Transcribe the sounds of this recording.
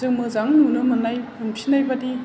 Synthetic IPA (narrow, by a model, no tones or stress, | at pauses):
ɯkmɯzaŋnunɯmɯnajɯnpʰinajbadi